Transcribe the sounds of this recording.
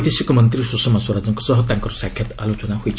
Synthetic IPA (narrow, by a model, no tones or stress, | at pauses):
d̪esikomʌnt̪ɾisusɔmaswɔɾad͡zɔŋkɔsɔɦɔt̪aŋkɔɾɔsakʰjɔt̪alot͡ʃɔnahojt͡ʃʰ